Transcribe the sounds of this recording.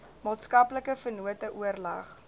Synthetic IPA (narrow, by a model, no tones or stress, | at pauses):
mɑːtskɐpləkəfərnuətəʔuərlɐ̰χ